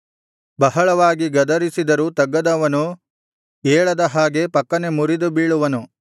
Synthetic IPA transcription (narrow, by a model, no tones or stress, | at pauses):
bɐɦɐɭɐʋaːɡiɡɐd̪ɐɾisid̪ɐɾuːt̪ɐɡːɐd̪ɐʋɐnu | eːɭɐd̪ɐɦaːɡe̞pɐkːɐne̞muɾid̪ubiːɭuʋɐnu